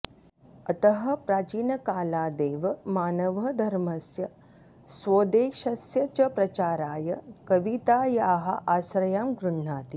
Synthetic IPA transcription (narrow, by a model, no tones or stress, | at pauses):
ɐt̪ɐɦɐ̆pɾaːt͡ʃiːnɐkaːlaːd̪eːʋɐmaːnɐʋɐd̪ʱɐɾmɐsjɐ | sʋoːd̪eːʃɐsjɐt͡ʃɐpɾɐt͡ʃaːɾaːjɐkɐʋit̪aːjaːɦɐ̰ʔaːsɾɐjaːmɡɾuɳːaːt̪i